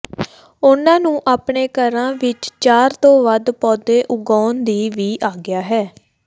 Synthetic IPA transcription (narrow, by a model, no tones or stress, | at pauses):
ʊnãːnũːʔaːpɳeːkəɾãːʋɪt͡ʃt͡ʃaːɾt̪õːʋəd̪pɔːd̪eːʔʊɡaːnd̪iːʋiːʔaːɡɪjaːɦɛː